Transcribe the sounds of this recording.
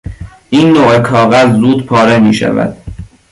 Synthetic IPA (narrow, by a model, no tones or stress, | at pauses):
ʔiːnːoʔekʰɒːɣæzːuːd̪pʰɒːɾemiːʃæ̰væ̰d̪̥